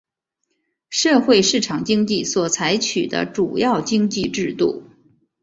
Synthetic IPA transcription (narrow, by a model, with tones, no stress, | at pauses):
ʂɤ˥˧xwe˥˧ɪʂɻ̩˥˩ʈ͡ʂʰɑ˨˩ŋt͡ɕi˥ŋt͡ɕi˥˩swɔ˨˩t͡sʰa˧˥ɪt͡ɕʰy˨˩d̪ə̰˦ʈ͡ʂu˨˩jɑ˥˩ʊt͡ɕi˥ŋt͡ɕi˥˧ʈ͡ʂɻ̩˥˧t̪ṵ˥˩